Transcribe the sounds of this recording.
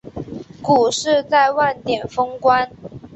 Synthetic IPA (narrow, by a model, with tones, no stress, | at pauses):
ku˨˩ʂɻ̩˥˧t͡sa˥˧ɪwa˥˩nt̪jɛ˨˩nfɤ˥ŋkwa˦˥n